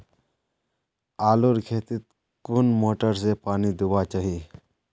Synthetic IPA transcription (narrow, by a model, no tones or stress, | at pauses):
aːluɾkʰeːt̪ɪt̪̚ | kʊnmoːʈəɾs̬epaːnid̪ubaːt͡ʃaɦiː